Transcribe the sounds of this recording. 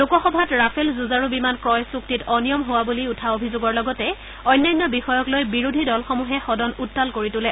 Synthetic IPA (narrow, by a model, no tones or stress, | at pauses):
lukɔxɔbʱatɹapʰelzuzaɹubimankɹɔjsuktitɔnijɔmɦowabuliutʰaobʱizoɡɔɹlɔɡɔtɛ | ɔjnːajnːɔbixɔjɔklojbiɹudʱidɔlxɔmuɦɛxɔdɔnutːalkoɹitʊlɛ